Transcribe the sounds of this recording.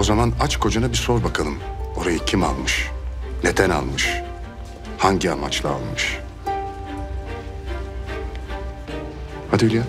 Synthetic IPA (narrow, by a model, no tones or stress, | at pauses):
o̞zamanat͡ʃkʰo̞d͡ʒanabiso̞ɾbakʰalˠɯmo̞ɾajɯcʰima̰lˠmɯʃne̞d̪æna̰lˠmɯʃ | haɲɟiama̰t͡ʃlˠa̰ːlˠmɯʃ | had̪ylʲja